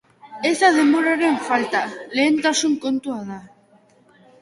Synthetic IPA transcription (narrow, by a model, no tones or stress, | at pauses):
esaðemoɾaɾeɱfalt̪aleent̪asuŋkont̪uaða